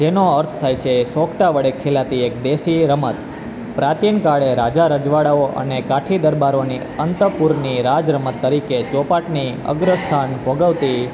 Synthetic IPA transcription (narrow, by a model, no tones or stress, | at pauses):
d͡ʒenoəɾt̪ʰt̪ʰajt͡ʃʰesokʰʈaʋəɽekʰelat̪iekd̪esiɾəmət̪ | pɾat͡ʃinkaɽeɾad͡ʒaɾəd͡ʒʋaɽaoʔə̰nekaʈʰid̪əɾbaɾoni | ənt̪əpuɾniɾad͡ʒɾəmət̪ːəɾiket͡ʃɔpaʈni | ə̰ɡɾəst̪ʰanbʱoɡəʋt̪i